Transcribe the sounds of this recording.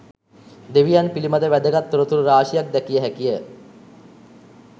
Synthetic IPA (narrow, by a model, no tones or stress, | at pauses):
d̪eʋijanpilimad̪əʋæd̪əɡat̪ːuɾət̪uɾuɾaːʃijak̚d̪ɛkijəɦækijə